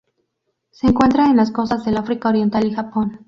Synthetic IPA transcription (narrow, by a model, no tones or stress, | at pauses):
se̞ːŋkwe̞nt̪ɾaenlasko̞sazðe̞lafɾikaoɾje̞nt̪alixapo̞n